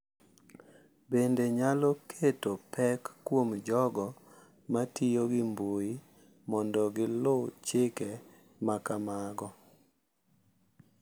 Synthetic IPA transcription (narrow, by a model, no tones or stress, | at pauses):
bendeɲalɔkʰetopʰɛkːwomd͡ʒɔɡɔ | matijoɡɪmboi | mɔndɔɡɪlʊt͡ʃekɛ | makamaɡɔ